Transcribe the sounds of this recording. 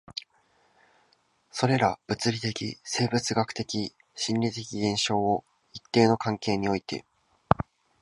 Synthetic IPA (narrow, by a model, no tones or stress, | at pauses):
so̞ɾe̞ɾab̥ɯ̟t͡sɨɾʲit̪e̞kʲḭse̞ːbɯ̟t͡sɨɡakɯ̟̥t̪e̞kʲi | ɕĩnʲɾʲit̪e̞kʲiɡẽ̞ɰ̃ɕo̞ːo | it̪ːe̞ːno̞kãŋke̞ːɲ̟io̞it̪e̞̰